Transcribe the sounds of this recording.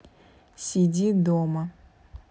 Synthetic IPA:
sʲidʲid̪ɔmɐ

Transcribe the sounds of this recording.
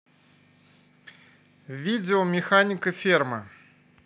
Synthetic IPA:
vʲid̪ʲɛɔmʲɛxanʲikɨfʲirmɐ

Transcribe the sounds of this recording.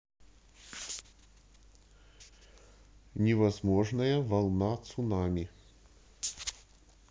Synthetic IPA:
nʲɛvɐzmɔʐnɐjɐvɐlˠnat̪sunamʲi

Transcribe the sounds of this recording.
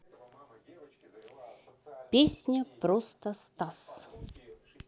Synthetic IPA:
pʲesʲnʲəpɾost̪əst̪as

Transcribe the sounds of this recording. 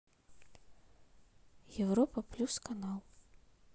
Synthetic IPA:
jɛwɾɔpɐplʲuskanalˠ

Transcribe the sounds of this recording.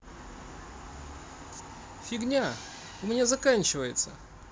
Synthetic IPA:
fʲɪɡnʲa | ʊmʲɪnʲazɐkanʲt͡ɕɪvəjɪt̪sə

